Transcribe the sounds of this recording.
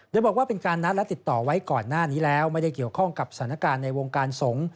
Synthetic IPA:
doː˧jbɔː˨˩kwa˥˩pe˧nkaː˧nːa˦˥lɛ˦˥t̪i˨˩t̪ːɔː˨˩wa˦˥jkɔː˨˩nːaː˥˩niː˦˥lɛː˦˥wma˥˩jda˥˩jki˨˩əwkʰɔ˥˩ŋka˨˩p̚sḁ˧˩˦na˥˩kaː˧nːa˧jwo˧ŋkaː˧nso˩˦ŋ

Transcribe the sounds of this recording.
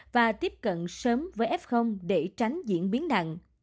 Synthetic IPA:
vaː˨˩t̪i˦˥əp̚kə̰˧˨nsəː˨˦mvəː˨˦jʔɛ˦˥p̚xə˧wŋ͡mɗe˧˩t͡ɕa˨˦jŋ̟zḭ˧˨ənɓi˨˦ənɗa̰˧˨ŋ

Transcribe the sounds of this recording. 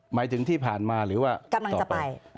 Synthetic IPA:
maː˩˦jt̪ʰɯ˩˦ŋt̪ʰiː˥˩pʰaː˨˩nmaː˧ɾɯː˩˦waː˥˩ka˧mla˧ŋɔː˨a˩pa˧a˧j

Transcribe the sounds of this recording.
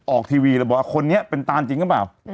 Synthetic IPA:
ʔɔː˨˩k̚t̪ʰiː˧wiː˧laː˨˧˩bɔː˨˩wa˧˩kʰo˧nːi˦˥ɐpe˧nt̪aː˧nt͡ɕi˧ŋkʰːpaː˨˩w

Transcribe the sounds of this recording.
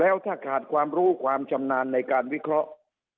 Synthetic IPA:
lɛː˦˥wt̪ʰaː˥˩kʰaː˨˩t̪̚kʰwaː˧mɾuː˦˥kʰwaː˧mt͡ɕʰa˧mnaː˧nːa˧jkaː˧nwi˦˥kʰɾɔ˦˥ʔ

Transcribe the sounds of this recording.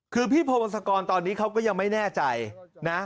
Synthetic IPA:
kʰɯː˧pʰiː˥˩pʰoː˧ʔa˧nsʰa˧kɔː˧nt̪ɔː˧nːiː˦˥kʰa˦˥wkɔː˥˩ja˧ŋma˥˩jnɛː˥˩t͡ɕa˧jna˦˥

